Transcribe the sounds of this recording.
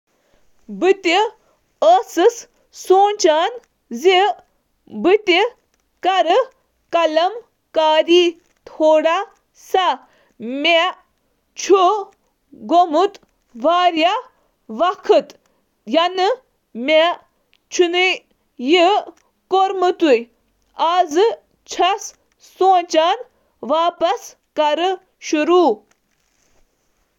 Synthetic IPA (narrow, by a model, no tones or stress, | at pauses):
bɨt̪i | əsɨs | soːnt͡ʃaːn | zi | bɨt̪i | kɐɾɨ | kɐlɐm | kaːɾiː | t̪ʰoːɽa | sa | me | t͡ʃʰu | ɡomut̪ | ʋaːɾja | ʋɐkʰɨt̪ | jɐnɨ | me | t͡ʃʰunɨ | ji | koɾmɨt̪uj | aːzɨ | t͡ʃʰɐs | soːt͡ʃan | ʋaːpɐs | kɐɾɨ | ʃuɾuː